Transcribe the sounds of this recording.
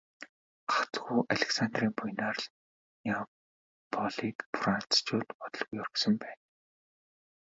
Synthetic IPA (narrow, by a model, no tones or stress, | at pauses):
χat͡sɡuːʔaɮʲeksant̪riːŋpʊjnaːrɮ | nia | pʰɔɮiːkpran̥t͡st͡ɕoːt̪pɔt̪ɞ̆ɮɣujɔrɵ̆ksɞ̆mpæːn